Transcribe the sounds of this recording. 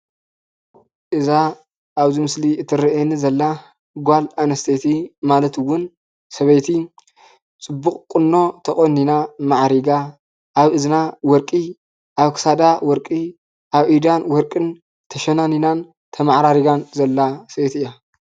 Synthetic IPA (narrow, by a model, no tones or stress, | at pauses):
ʔɨza | ʔaβzimɨsliɨt̪ʰːɨɾiʔenizɐlːa | ɡʷalanɐst̪ʰet̪ʰimalɐt̪ɨwʊn | sɐβɐjt̪ʰi | t͡sʼɨbːuχʼkʼɨnːo̞t̪ʰɐχʼonːinamaʕɾiɡa | ʔaβɨzɨnawɔɾkʼi | ʔaβkʰɨ̥sad̪awɔɾkʼi | ʔaβʔid̪anwɔɾkʼɨn | t̪ʰɐʃɐnaninan | t̪ʰɐmaʕɾaɾiɡanzɐlːaset̪ɨja